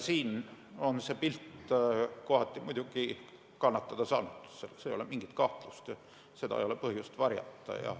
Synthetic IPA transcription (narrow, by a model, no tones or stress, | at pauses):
siːn | o̞nse̞ːpilt̪ː | koɦɑt̪ʲːˑimujd̪̥uɡ̥i | kɑnːɑt̪ːɑd̪̥ɑsɑ̰ːnud̪̥selsejo̞lemiŋɡ̥it̪kɑht̪lust̪ɑ | se̞d̪ɑ̰ḛjo̞lepɤhjust̪vɑrjɑ̰t̪ːɑ̰jɑ̰